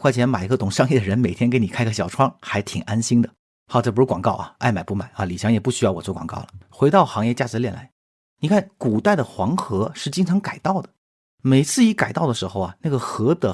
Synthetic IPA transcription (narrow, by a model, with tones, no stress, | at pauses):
kwa˥˩ɪt͡ɕʰjɛ˧˥nma˨˩ɪi˧˥ɡə˧t̪ʊ˨˩ŋʂɑ˥ŋi˥˩d̪ə˩ɻə˧˥nme˨˩ɪt̪ʰjɛ˥ke˧˥ɪni˨˩kʰa˥ɪɡə˧ɕjɑ˨˩ʊʈ͡ʂʰwɑ˥ŋxa˧˥ɪt̪ʰi˨˩ŋʔa˥nɕi˥ŋd̪ə˨ | xɑ˥˩ʊʈ͡ʂpɻu˧˥kwɑ˨˩ŋkɑ˥˩ʊʔɐ̰˩a˥˩ɪma˨˩ɪpu˥˩ma˨˩˦ɪɐ˧li˨˩ɕjɑ˧˥ŋjɛ˨˩pu˥˩ɕy˥jɑ˥˩wɔ̰˨˩t͡swɔ˥˩kwɑ̰˨˩ŋkɑ̰˥˩ʊlə˩xwe˧˥ɪt̪ɑ˥˩ʊxɑ˧˥ŋjɛ˥˧t͡ɕja˥˩ʈ͡ʂɻ̩˧˥ljɛ˥˩nla˧˥ɪ | ni˨˩kʰa˥˩nku˨˩t̪a˥˩ɪd̪ə˩xwɑ˧˥ŋxɤ˧˥ʂɻ̩˥˧t͡ɕi˥ŋʈ͡ʂʰɑ˧˥ŋka˨˩ɪt̪ɑ˥˩ʊd̪ə˩ | me˨˩ɪt͡sʰɹ̩˥˩i˧˥ka˨˩ɪt̪ɑ˥˩ʊd̪ə˩ʂɻ̩˧˥xo˥˧ʊɐ˩na˥˩ɡə˩xɤ˧˥d̪ə˩